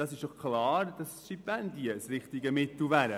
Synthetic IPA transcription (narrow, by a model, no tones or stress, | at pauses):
d̥ɑsɪʃd̥ɔχkʰlɑːɾd̥ɑsʃipændiəsɾɪχt̪ɪɡəmɪt̪l̩ˠvæɾə